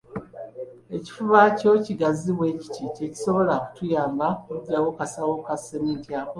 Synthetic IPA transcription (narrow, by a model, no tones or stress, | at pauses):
e̞ci̥fuβaco̞ciɡaziβwe̞ci̥tice̞ci̥so̞βo̞laku̥tujaːmbakuɟːawo̞kasawo̞kasenintiako